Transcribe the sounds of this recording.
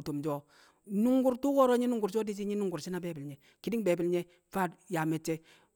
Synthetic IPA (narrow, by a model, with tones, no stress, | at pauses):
to˨md͡ʒɔ˦ | nu˦ŋɡu˨ɾtu˦kɔ˦ɾɔ˦ɲi˦nu˨ŋɡu˨ɾt͡ʃɔ˦di˦t͡ʃi˦ɲi˦nu˦ŋɡu˨ɾʃi˦na˦be˨˦bɪ˨lɲɛ˨ | ki˦di˦ŋbe˨bi˨lɲɛ˦ | fa˦˨dja˨mɛ˨t͡ʃːɛ˦